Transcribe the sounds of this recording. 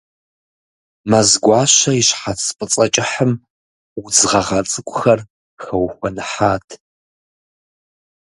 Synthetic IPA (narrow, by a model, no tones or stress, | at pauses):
mazɡʷɑːɕɐiʃħat͡spʼɨt͡sʼɐt͡ʃʼɪħəm | wd͡zʁɐʁɐt͡sʼɨkʷʼʊxɐr | xɐwxʷɔnɨħaːtʰ